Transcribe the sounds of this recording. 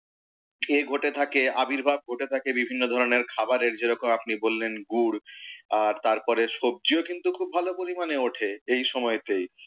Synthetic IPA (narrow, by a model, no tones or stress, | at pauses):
eɡʱoʈet̪ʰakeabiɾbʱab̚ɡʱoʈet̪ʰakebibʱinːod̪ʱɔɾoneɾkʰabaɾeɾd͡ʑeɾɔkomapnibolːenɡuɽaɾt̪aɾpɔɾeʃob̚d͡ʑiokint̪ukʰubʱalopoɾimaneoʈʰeejʃɔmɔet̪ej